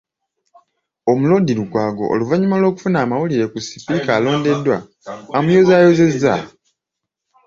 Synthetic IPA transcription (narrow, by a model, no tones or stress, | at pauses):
o̞mulo̞diɾukwaːɡo̞̰ʔo̰luvaɲːumalwo̞ːku̥funaːmawuliɾe̞kusi̥pikaːlo̞ːndedːwaː | mujo̞zaːjoze̞zːa